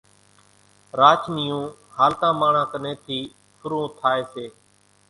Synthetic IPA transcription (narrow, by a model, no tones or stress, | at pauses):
ɾaːt͡ʃʰniːjũːhaːlt̪ãːmaːɳãːkəneːt̪ʰiː | fʰʊɾũːt̪ʰaːeːseː